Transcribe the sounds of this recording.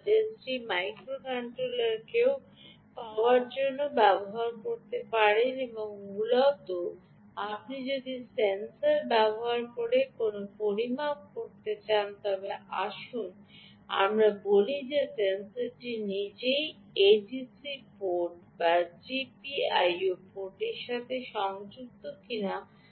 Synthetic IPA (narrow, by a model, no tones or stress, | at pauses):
d͡ʑensimajkɾokaɳʈɾolaɾkeo | paoaɾd͡ʑonːobɛboɦaɾkoɾt̪epaɾeneboŋmulat̪o | apnid͡ʑod̪isensaɾbɛboɦaɾkoɾekonopoɾimak̚koɾt̪et͡ɕant̪ɔbeʔa̰ʃun | a̰mɾabolid͡ʑesensaɾd͡ʑenid͡ʑej | ed͡ʑisipoʈbad͡ʑipiajopoʈeɾʃat̪ʰeʃɔŋd͡ʑuk̚t̪okina